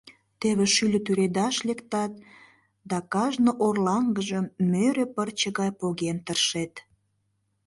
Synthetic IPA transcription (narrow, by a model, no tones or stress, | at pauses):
t̪eβeʃylʲət̪yɾed̪ɑʃlekt̪ɑt̪̚ | d̪ɑkɑʒnoʔorlɑŋɡəʒəmmøɾepərt͡ɕəɣɑjpoɣent̪ərʃet̪